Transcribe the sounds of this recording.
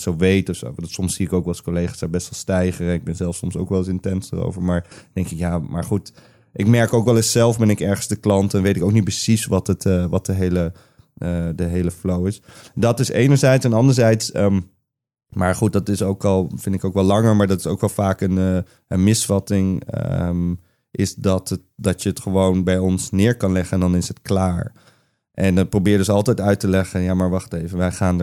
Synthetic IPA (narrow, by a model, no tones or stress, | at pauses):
soʋejtɔfso̰wnsɔmsiɪkowkʋɑlˠskolejχaːsɛbɛstʋɛlˠstɛjχəɾɛnɪɡ̚bɛnzɛlˠfsɔmso̰wkʋɛlˠɪsɪntɛnsdəro̰wvəɹmaːɹd̥ɛŋkɪkjaːma̰ːɹχut | ʔɪkmɛɹkowkʋɛlˠɪssɛlˠfbɛnɪkɛɹχənzdəklɑntɛnʋejtɪkowk̚nit̚pəsisʋɑtətʋɑt̚dəɦejlə | ədəɦejləflowɪsdɑtɪsḛjnəɹzɛjtsɛnɑndəɹzɛjtsəm | maːɹχut̚dɑtɪsowkɑlˠfɪndɪkoʊwkʋɛlɑŋəɹmaːɹdɑtɪ̥sowkʋɛlˠfaːkənə | ənmɪsfɑtɪŋəm | ʔɪsdɑtət̚dɑtjəətχəʋownbɛjɔnsnɪːɹkɑnlɛχəndɑnɪsətklaːɹ | ʔɛnɑprobɪːɹdøsɑlˠtɛjtœɥtəlɛχənjaːmaːɹʋɑχtejvəʋɛjχaːn